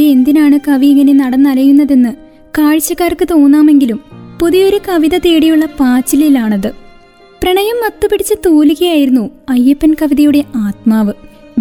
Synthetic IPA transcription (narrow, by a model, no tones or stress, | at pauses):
eend̪inaːɳɨkɐʋiːŋːɐne̞nɐɽɐnːɐlɐjunːɐðe̞nːɨ | kaːɻit͡ɕːɐkːaːrkːɨt̪o̞ːnːaːme̞ŋɡilumpoðijo̞ɾukɐʋiðɐt̪e̞ːɽijuɭːɐpaːt͡ɕːililaːɳɐðɨ | prɐɳɐjɐmːɐt̪ːɨpiɽit͡ɕːɨt̪oːliɣɐjaːjiɾunːuɐjːɐpːɐnkɐʋiðɐjuɽe̞ʔaːt̪maːʋɨ